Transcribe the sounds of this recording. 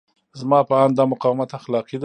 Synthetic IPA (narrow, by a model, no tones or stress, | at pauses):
zmɑpəɑnd̪ɑmʊqɑwmat̪axlɑqid̪